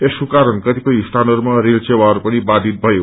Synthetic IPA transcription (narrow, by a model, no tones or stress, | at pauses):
esukaɾəɳkət̪ikəisʈ̪ʰanəɾmãɾilt͡ʃeʋaɾpəɽ̃ibad̪ʱit̪̚bʱəjo